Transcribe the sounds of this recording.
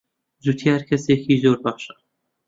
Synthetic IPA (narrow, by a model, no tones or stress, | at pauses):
zut̪ʰihaɾkʲʰasekʲʰizoɾbaχʃa